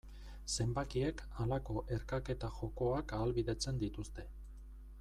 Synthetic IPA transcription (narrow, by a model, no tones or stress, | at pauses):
se̞mbakie̞kalako̞ʔe̞ɾkake̞t̪axo̞ko̞akaːlβiðe̞t͡se̞nd̪it̪ust̪e̞